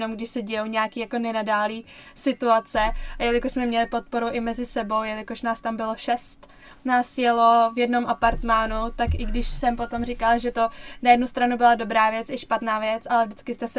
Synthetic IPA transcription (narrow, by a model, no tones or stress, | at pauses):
nomɡdɪʃsɛɟɛjowɲɛaːkiːjako̞nɛnadaːliː | sɪt̪uat͡sɛjɛlɪkoʃsmɛmɲɛlɪpo̞t̪̚po̞ɾuʔɪmɛzɪsɛbo̞wjɛlɪkoʃnaːst̪ambɪlo̞ʃɛst̪ | naːsjɛlo̞vjɛdno̞mʔapaɾt̪maːnut̪akʔɪɡdɪʃsɛmpo̞t̪o̞mrɪkalʒɛt̪o̞najɛdnust̪ɾanubɪlado̞bɾaːvjɛt͡sɪʃpat̪naːvjɛt͡sʔalɛvdɪt͡skɪst̪ɛs